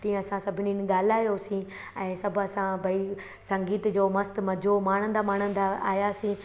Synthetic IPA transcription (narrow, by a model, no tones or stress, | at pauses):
t̪ĩːə̃ɐsãsɐbʱɪniːnɠaːl̤aːjosĩ | ɛ̃ːsɐbʱɐsãbʱɐi | sɐ̃ŋɡiːt̪d͡ʑoːmɐst̪mɐd͡ʑʱomaːɽ̤̃ə̃n̆d̪aːmaːɽ̤̃ə̃n̆d̪aa̰ːjasĩː